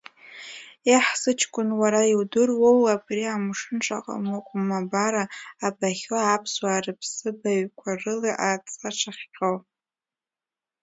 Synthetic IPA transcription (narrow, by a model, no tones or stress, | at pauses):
iħsɨt͡ʃʰkʷʼʊnwaɾaiwdɨrwowabriamʂɨnʈ͡ʂʼa̰qʼa̰mokʷʼʊmːabaɾaːbaχʲapʰswaːrɨpʰsɨbaɥkʷʰarɨliʔat͡sʼaʈ͡ʂʰaχʲqʲʼow